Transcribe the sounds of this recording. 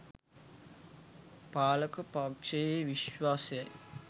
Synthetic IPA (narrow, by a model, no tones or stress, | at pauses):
paːləkəpaːkʂejeʋiʃʋaːsejɐj